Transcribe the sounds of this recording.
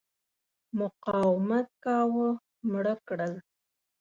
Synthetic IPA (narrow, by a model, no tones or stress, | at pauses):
mʊqɑwɪmat̪̚kɑwə | mɽəkɽəl